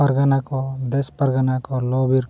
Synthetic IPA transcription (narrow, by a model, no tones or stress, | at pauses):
ɐɾɡanakod̪espɐɾɡanakoloːbiɾ